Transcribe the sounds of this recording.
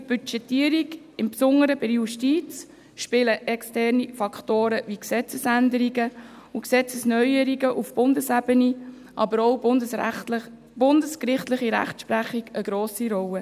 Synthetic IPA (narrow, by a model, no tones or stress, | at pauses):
b̥yt͡ʃɛtiəɾiɡ | ɪmpsʊŋːəɾəbɪɾjuʃtiːt͡s | ʃpɪləʔɛkstɛrnifɑktoːɾəviksɛt͡səsænd̪əɾiɡəuksɛt͡səsnœʏəɾiɡəʔufb̥ʊndəsæb̥əni | ʔɑ̰bəɾɔw | b̥ʊndəskɾɪχt̪lɪχiɾæ̰χtʃpɾæχiɡəɡ̥ɾoːsiɾɔwə